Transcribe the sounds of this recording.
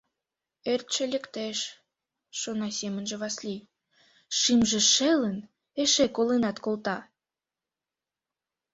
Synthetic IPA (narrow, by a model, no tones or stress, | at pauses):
ert̪ʃelʲekt̪eʃ | ʃonɑsʲemənʒĕβɑslʲij | ʃimʒĕʃelən | eʃekolenɑt̪kolt̪ɑ